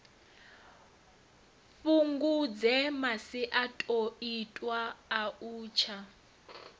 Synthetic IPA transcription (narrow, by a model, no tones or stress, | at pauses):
fuŋɡud͡zɛmasiʔatʼoitʼwaːuːt͡ʃʰa